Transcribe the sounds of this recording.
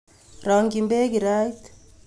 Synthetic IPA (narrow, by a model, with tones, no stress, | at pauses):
ɾa˨ŋɡimbe˦ɡi˨ɾajt